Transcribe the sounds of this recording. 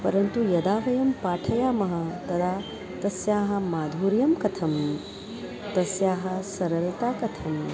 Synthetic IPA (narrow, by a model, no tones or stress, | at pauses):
pɐɾɐnt̪ujɐd̪aːʋɐjɐmpaːʈʰɐjaːmɐɦɐ̆t̪ɐd̪ʰʱaː | t̪ɐsjaːɦɐ̆maːd̪ʱuːɾjɐmkɐt̪ʰɐm | t̪ɐsjaːɦɐ̆sɐɾɐlt̪aːkɐt̪ʰɐm